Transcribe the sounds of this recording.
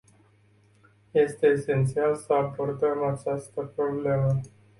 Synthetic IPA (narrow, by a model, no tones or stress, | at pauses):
je̞st̪e̞ːse̞nt̪sialsəabo̞rd̪əmat͡ʃast̪əpɾo̞ble̞mə